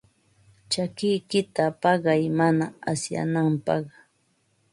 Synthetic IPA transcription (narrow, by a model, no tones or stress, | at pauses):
t͡ʃakɪjkɪt̪apɑɢɑjmanaasja̰nampɑ̰χ